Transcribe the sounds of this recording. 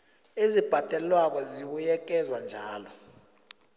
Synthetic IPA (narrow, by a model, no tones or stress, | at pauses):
ezib̥ʱad̥ʱʼɛlwak̬ɔziwujɛk̬ɛzwand͡ʒʱaːlɔ